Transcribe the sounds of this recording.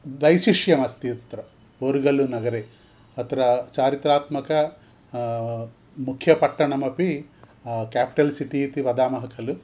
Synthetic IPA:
d̪ɐjsiʂjɐmɐst̪it̪t̪ɾɐ | oɾuɡɐlunɐɡɐɾe | ɐt̪ɐɾɐt͡ʃaːɾit̪ɾaːt̪mɐkɐ | mukʰjɐpɐʈːɐɳɐmɐpi | kaːpi̥ʈɐlsiʈiːt̪iʋɐd̪aːmɐɦɐkʰɐlu

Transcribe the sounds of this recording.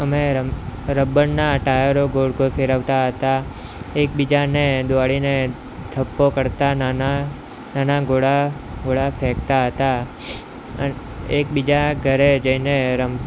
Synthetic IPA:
əmeəɾəbəɳnaəʈajəɾoɡoɽkofeɾəʋt̪aɦət̪a | ek̚bid͡ʒaned̪oʋaɭine | d̪ʱəpːokəɾt̪anana | nanaɡoɽaɡoɽafʰekt̪aɦət̪a | ə | ek̚bid͡ʒaɡʱəɾed͡ʒəineɾəm

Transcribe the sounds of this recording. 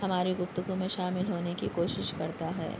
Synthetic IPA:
hɐmaːɾiɡʊft̪ʊɡumẽʃaːmɪlɦoːnekikoːʃɪʃkɐɾt̪aɦɛ̰ː

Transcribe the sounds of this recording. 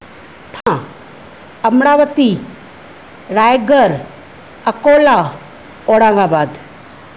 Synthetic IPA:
t̪ʰã | ɐmɽaːʋət̪i | ɾaːjɡəɾ | ɐkoːla | oːɽãːŋɡaːbaːd̪

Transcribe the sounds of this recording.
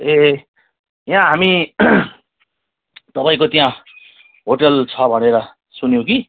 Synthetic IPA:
e | jãɦami | t̪ʌpãĩkot̪jã | ɦoʈʌlt͡sʰʌbʱʌneɾʌ | sunjõki

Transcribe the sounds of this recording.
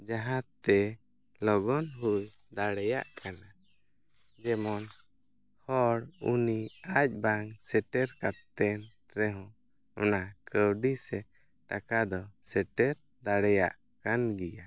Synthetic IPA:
d͡ʒaɦãt̪ːɛ | lɔɡɔnɦuj | d̪aɽɛja̰ʔkana | d͡ʒɛmɔn | hɔɽuniac̚ˀbaŋsɛʈɛɾkap̚t̪ɛn | ɾɛɦɔ̃ | ɔnakəwɖisɛ | ʈakad̪ɔsɛʈɛɾ | d̪aɽɛja̰ʔ | kanɡija

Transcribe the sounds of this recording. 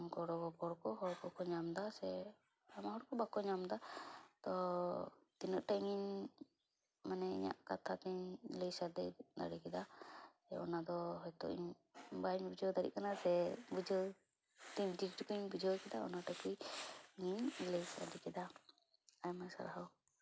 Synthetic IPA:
ɡɔɽɔɡɔbɔɽkɔɦɔɾkɔkɔɲamd̪asɛ | amaɦɔɽɔkɔbakɔɲamd̪at̪ɔ | t̪inəʔʈaiŋiɲ | manɛḭɲa̰ʔkat̪ʰat̪ɛɲləjsaɾd̪ɛd̪a̰ɽikɛd̪asɛɔ̰nad̪ɔɦɔjt̪ɔ̰ʔḭɲ | baɲbud͡ʒɔwd̪aɽḭʔkanasɛbud͡ʒəw | t̪iɲd͡ʒiʈkɔɲbud͡ʒɔwkɛd̪aɔ̰naʈakujŋiɲləjsa̰ɾd̪ikɛd̪a | ajmasa̰ɾaɦɔw

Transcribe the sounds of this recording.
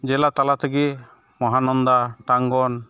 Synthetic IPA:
d͡ʒɛlat̪alat̪ʰəɡi | mɔɦanɔnd̪aʈaŋɡɔn

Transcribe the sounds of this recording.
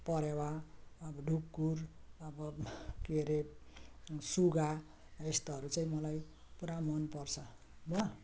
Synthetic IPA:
pʌɾewaʌbʌɖʱub̚kurʌbʌkeɾe | suɡa | est̪ʌɦʌɾut͡saĩmʌlaj | puɾamʌnpʌrt͡sʰʌ | bʌ

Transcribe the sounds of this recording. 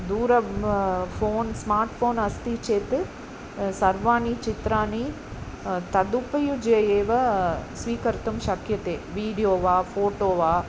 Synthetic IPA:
d̪uːɾɐ | foːnsmaːɾʈfoːnɐst̪it͡ʃeːt̪ɨ | sɐɾʋaːnit͡ʃɪt̪ɾaːni | t̪ɐd̪upɐjud͡ʒeːjeːʋɐsʋiːkɐɾt̪ɐmʃɐkjɐt̪eːʋiːɽijoːʋaːfoːʈoːʋaː

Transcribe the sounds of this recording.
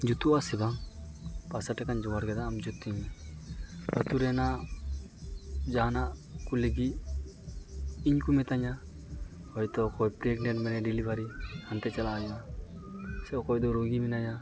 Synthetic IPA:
d͡ʒut̪uasɛba | pasaʈɛkand͡ʒɔwaɾɡɛd̪aːmd͡ʒut̪ːiɲi | ət̪uɾɛna | d͡ʒanaʔkuleɡi | iɲkumɛt̪aɲa | hɔjt̪ɔkɔjpɾiɛɡnɛʈmɛnɛɖilibaɾihant̪ɛt͡ʃɛlaːjna | sɛɔkɔjd̪ɔɾoɡiminaja

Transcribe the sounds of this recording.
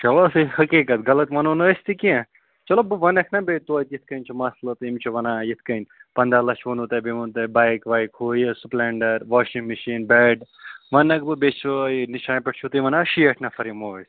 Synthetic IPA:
t͡ʃʰɐlosɨhɐkiːkɐt̪ɡɐlɐt̪mɐnonoest̪ikiẽ | t͡ʃɐlobɨʋɐnɐkʰnɐbet̪uɐjt̪jit̪̚ʰkɐnʲt͡ʃʰumɐslot̪imt͡ʃʰuʋɐnaːjet̪ʰkɐnʲpɐnd̪alɐt͡ʃʰʋonut̪ɐbemunt̪ɐbajkʋaːjkɦoːjesupleːɳɖɐɾʋaːʃĩŋɡmiʃiːnbɛːɖ | ʋɐnːɐkʰbɨbet͡ʃʰujniʃaːpɐʈ̚ʰt͡ʃʰut̪iʋɐnaʃiɐʈʰnafʰɐɾimoɐs

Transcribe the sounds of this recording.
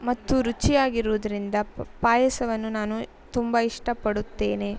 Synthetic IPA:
mɐt̪ːuɾut͡ʃijaːɡiɾuʋːd̪ɐɾind̪ɐpaːjɐsɐʋɐnːunaːnu | t̪umbɐiʂʈɐpɐɽut̪ːe̞ːne̞

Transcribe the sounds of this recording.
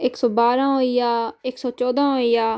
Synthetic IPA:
ɪksɔːbaːɾãːɦoːijaːɪksɔːt͡ʃɔːd̪ãːɦoːijaː

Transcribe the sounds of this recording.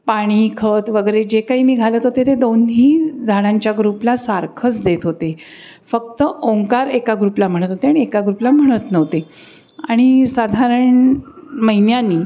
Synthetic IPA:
paɽ̃iːkʰət̪ʋəɡəɾed͡ʑekaɦiːmiːɡʱalət̪ɦot̪et̪ed̪onɦiːd͡zʱaɽ̃ãɲt͡ɕjaɡɾuplasaɾkʰət͡sd̪et̪ɦot̪e | fək̚t̪əoŋkaɾekaɡɾuplam̤əɽ̃ət̪ɦot̪eaɽ̃iekaɡɾuplam̤əɽ̃ət̪nəʋt̪e | aɽ̃isad̪ʱaɾəɳməɦinjaniː

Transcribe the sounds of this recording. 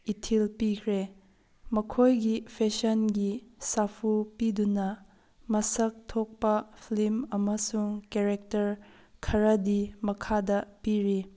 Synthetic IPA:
itʰilpikʰɾe | mɐkʰojɡipʰesɐnɡisapʰupidunɐ | mɐsɐk̚tʰok̚pɐpʰlimɐmɐsuŋkeɾek̚tɐɾ | kʰɐɾɐdimɐkʰadɐpiɾi

